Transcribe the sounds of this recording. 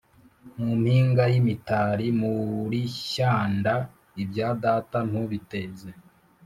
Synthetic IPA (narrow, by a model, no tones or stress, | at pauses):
mum̥hiːŋɡajimitaɾimuɾiçaːnda | ibjaːdatan̥huβiteze